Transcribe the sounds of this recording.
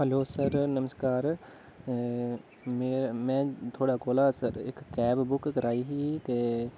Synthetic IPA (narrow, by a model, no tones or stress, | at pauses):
ɦəloːsəɾnəməskaːɾ | meːɾmɛ̃ːt̪ʰoːɽaːkoːlaːsəɾɪ̰kːɛːbbʊkkəɾaːiːɦiːt̪eː